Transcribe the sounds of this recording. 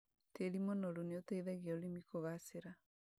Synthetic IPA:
telimɔnɔɾuneotɛiðɛɣeolimikoɣaseɾa

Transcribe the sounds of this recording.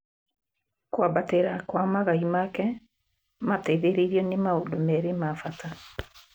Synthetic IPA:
kwabateɾakwamaɣaimakɛ | matɛðeɾeɾiɔnemaondomɛɾemafata

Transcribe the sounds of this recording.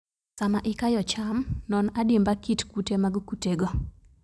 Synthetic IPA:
samaʔɪkajɔt͡ʃamnɔnadɪmbakitkutemaɡkuteɡo

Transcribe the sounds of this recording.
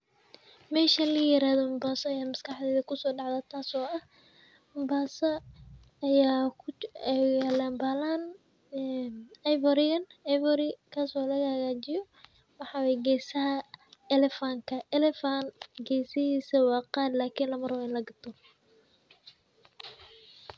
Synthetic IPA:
mɛːʃɐlɐjɪɾaːðɔʊmbaːsɔɐjaːmɐskʰɑħd̪ɛːðɐkʰʊsɔːɖɑʕd̪aːt̪ʰaːsɔːʔɐh | ʊmbaːsɐ | ɐjaː | ɛalaːmbaːlanː | nɐjvɔɾɪɐnajvɔɾɪkʰaːsɔlɐɣɐhɐɣaːt͡ʃɪjɔ | wɑħɑːwɛjɡɛːsɐɦɐɛlɛfaŋkʰɐʔɛlɛfanɡɛːjsɪhiːsɐwɑːqɑːd̪laːkʰiːnlɐmɐɾwɛɪnlɐɡɐt̪ʰɔ

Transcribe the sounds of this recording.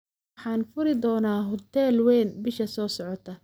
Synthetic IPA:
ħɑːnfʊɾɪd̪ɔːnaːɦʊt̪ʰɛːlwɛːnbɪʃɐsɔːsɔʕɔt̪ʰɐ

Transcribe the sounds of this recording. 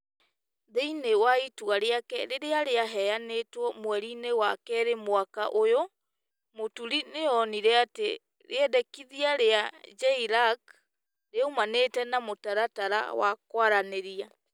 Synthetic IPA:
ðeinewaitwaɾeakɛɾeɾeaɾeaɦɛjanetwɔmwɛɾinewakɛɾemwakaʔojo | motuɾineɔniɾɛate | ɾeɛdɛkiðiaɾead͡ʒaiɾak | ɾeumaneːtɛnamotaɾataɾa̰wa̰kwaɾaneɾia

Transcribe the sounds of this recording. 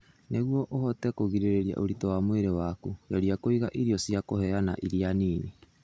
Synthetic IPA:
neɣwɔʔohɔtɛkoɣiɾeɾeɾia̰ʔoɾitɔwamweɾewakujaɾiakoiɣaʔiɾiɔsiakohɛana̰ʔiɾianiːni

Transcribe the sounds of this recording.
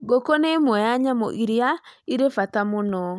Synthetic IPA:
ɡokonemwɛjaɲamo̰ʔiɾiaiɾefatamonɔ

